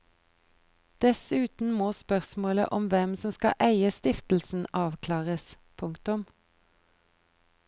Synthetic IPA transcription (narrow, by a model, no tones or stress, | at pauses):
d̪̥ɛsʉːt̪n̩moːspœʁsmoːlə̰ʔɔmʋɛmsɔmskɑ̰ʔæɪəst̪ɪft̪l̩sn̩ɑːʋkʰlɑːʁəs | pʰʊŋkt̪ʊm